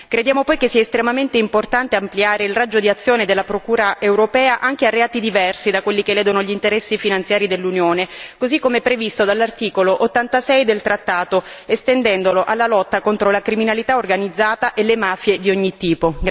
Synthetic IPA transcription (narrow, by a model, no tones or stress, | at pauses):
kɾed̪jaːmopɔjkesːiaest̪ɾemament̪eimport̪ant̪eampliaːɾeilrad͡ʒːod̪iat̪sːjoːned̪elːapɾokuːɾaʔewɾopɛːaʔaŋk̟earːeaːt̪id̪ivɛrsid̪akwelːikelɛːd̪onoʎint̪eɾɛsːifinant̪sjaːɾid̪elːunjoːnekozikːomeɛpːɾevist̪od̪alːart̪iːkoloʔot̪ːant̪asɛjd̪elt̪ɾat̪ːaːt̪oest̪end̪ɛnd̪oloʔalːalɔt̪ːakont̪ɾolakɾiminalit̪aorɡanid̪zːaːt̪aʔelːemaːfjed̪ioɲːit̪ːiːpo